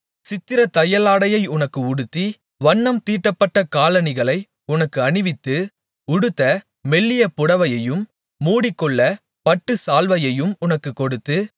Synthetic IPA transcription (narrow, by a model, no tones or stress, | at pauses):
sɪt̪ːɪɾɐt̪ɐjɐlaːɽɐjɐɪʊnɐkːɯʊɽɯt̪ːi | ʋɐɳːɐmt̪iːʈːɐpːɐʈːɐkaːlɐnɪɣɐɭɐɪ | ʊnɐkːɯɐɳɪʋɪt̪ːɯ | ʊɽɯt̪ːɐ | mɛɭːɪjɐpʊɽɐʋɐjɐjɯmː | uːɽɪkːɔɭːɐ | pɐʈːɯsaːlʋɐjɐjɯmʊnɐkːɯkːɔɽɯt̪ːɯ